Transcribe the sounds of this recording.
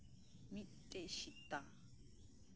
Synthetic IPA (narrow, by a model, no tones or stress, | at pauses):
mit̪ʼːɛʃit̪ːa